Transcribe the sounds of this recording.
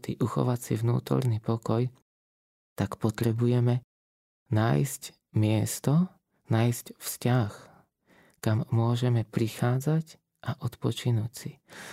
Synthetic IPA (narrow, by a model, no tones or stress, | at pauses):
t̪ḭʔuxɔ̰ʋat͡siʋnṵːt̪ɔ̰ɾnipɔkɔj | t̪akpɔt̪ɾɛbujɛmɛ | na̰ːjsc | mɪɛst̪ɔ | naːjscfscax | kamːʊɔʒɛmɛpɾixaːd͡zac | ʔaʔɔt̪pɔt͡ʃinucsi